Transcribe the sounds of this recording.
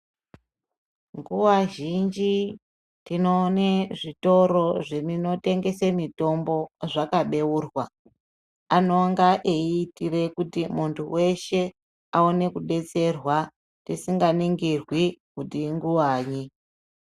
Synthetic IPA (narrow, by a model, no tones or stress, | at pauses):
ŋɡuwaʒind͡ʒi | tino̞neʐito̞ɾo̞ʐenino̞te̞ŋɡe̞semito̞mbo̞ʐakaɓe̞uːrwa | ano̞ŋɡaʔeːtire̞kutimuntʰuwe̞ʃe̞ | aone̞kuɗe̞t͡se̞rwa | tisiŋɡaniŋɡirwikutiŋɡuwaːɲi